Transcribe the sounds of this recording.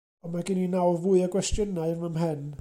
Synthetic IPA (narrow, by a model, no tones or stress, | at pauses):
ɔmaɡɪninawvuɨəɡwɛstjənaɨrmamɦɛn